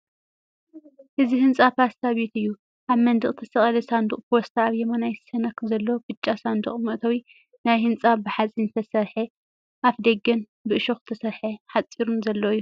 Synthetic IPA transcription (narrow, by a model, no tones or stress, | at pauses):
ʔɨzihɨnt͡sʼapast̪ʰaβet̪ɨjːu | ʔaβmɐnd̪ɨχʼt̪ʰɐsɐχʼɐlɐsand̪uχʼpost̪ʰaːβjɛmanajsɐnɐkzɐlːo̞b̥ɨt͡ʃʼːasand̪uχʼmɨʔt̪ʰɐwi | najhɨnt͡sʼabɨħat͡sʼint̪ʰɐsɐɾħe | ʔafd̪ɐɡɐn | bɨʔɨʃoxɨ̥t̪ʰɐsɐɾħeħat͡sʼiɾumzɐlːoɨjːu